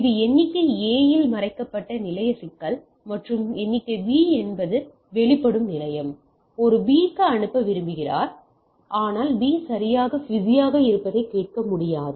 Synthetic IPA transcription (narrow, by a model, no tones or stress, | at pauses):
ɪðɯɛnːɪkːɐeːjɪlmɐɾɐɪkːɐpːɐʈːɐnɪlɐjɐsɪkːɐl | mɐʈrɯmɛnːɪkːɐʋiːɛnbɐðɯ | ʋɛɭɪpːɐɽɯmnɪlɐjɐm | ɔɾɯbiːkːɐɐɳɯpːɐʋɪɾɯmbɪɣɪra̰ːɾ | ʔaːnaːlbiːsɐɾɪjaːɣɐʋɪðɪjaːɣɐɪɾɯpːɐðɐɪkːeːʈ̚kɐmʊɽɪjaːðɯ